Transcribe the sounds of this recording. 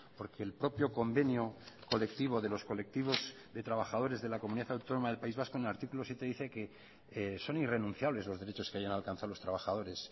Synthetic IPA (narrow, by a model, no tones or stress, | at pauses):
po̞ɾke̞ːlpɾo̞pjo̞ko̞mbe̞njo̞ko̞le̞k̚t̪iβ̞o̞ðe̞lo̞sko̞le̞k̚t̪iβ̞o̞z | d̪e̞t̪ɾaβaxaðo̞ɾe̞zðe̞lakomuniðaθawt̪o̞no̞maðe̞lpaizβaskonelaɾt̪ikulo̞sjet̪e̞ðiθe̞ke̞ | so̞nire̞nũn̟θjaβle̞zlo̞zðe̞ɾe̞t͡ʃo̞skeajanalkan̟θaolo̞st̪ɾaβaxað̞o̞ɾe̞s